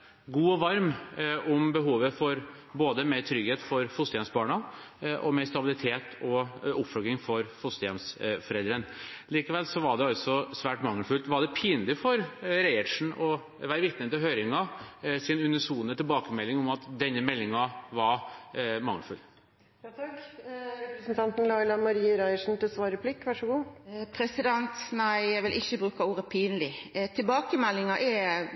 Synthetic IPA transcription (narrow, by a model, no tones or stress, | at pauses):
ɡuːɔʋɑɾmʊmbəɦuːʋəfɔɾ | boːd̪əmet̪ʰɾʏɡheːt̪fɔɾfʊst̪əjɛmsbɑːɳɑʔɔmɛst̪ɑbɪlɪt̪ʰeːt̪ʰɔʊpføɡɾɪŋfɔɾfʊst̪əjɛmsfɔɾɛld̪ɾənliːkəʋɛlsɔʋɑɖɛɑlt̪sɔsʋæːʈmɑŋːəfʉlt̪ʋɑɖ̪ɛpʰiːnlɪfɔɾɾɛɪəʈʂɳ̩ɔ | ʋæːɾəʋɪt̪nənt̪ɪlɦøʏɾɪŋɑsɪnʉnəsuːnət̪ʰɪlbɑːkəmɛlːɪŋɔmɑt̪d̪ɛnːəmɛlːɪŋɑʋɑɾmɑ̰ŋːfʉ̰l | ɾɛpɾəsnt̪ʰɑnt̪n̩lɑɪlɑmɑɾiːəɾæɪəʂn̩t̪ɪlsʋɑːɾəpʰlɪkːʋæʂəɡuːpʰɾɛsɪd̪ɛnt̪næɪjæʋɪlʔɪçːəbʁʉːkɑuːɾəpʰiːnəlɪt̪ʰɪlbɑːkəmɛlːɪŋɑʔɛ